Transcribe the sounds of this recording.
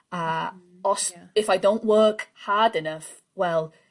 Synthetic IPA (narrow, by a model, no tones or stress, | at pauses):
ə | ɔsɪfajdõʊ̃nʔwɜːˑkhaːdɪnʌf | wɛlˠ